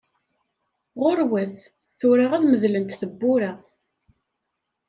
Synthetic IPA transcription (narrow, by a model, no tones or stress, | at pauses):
ʁʊɾwæθ | θʊɾaʁæðməðlənt̪θəbːʊɾa